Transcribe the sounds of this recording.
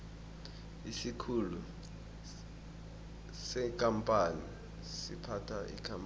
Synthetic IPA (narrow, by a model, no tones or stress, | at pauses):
isikʰulu | sɛkʼampʼani | sḭpʰatʰaʔḭkʰʼamp